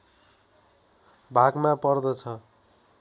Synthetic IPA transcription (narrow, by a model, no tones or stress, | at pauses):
bʱaɡmapʌrd̪ʌt͡sʰʌ